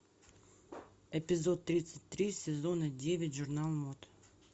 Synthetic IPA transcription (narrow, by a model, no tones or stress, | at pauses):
ɛpʲɪzo̞t̪ːɾʲit̪sətʲt̪ɾʲisʲɪzonədʲevʲɪtʲʐʊrnalˠmot̪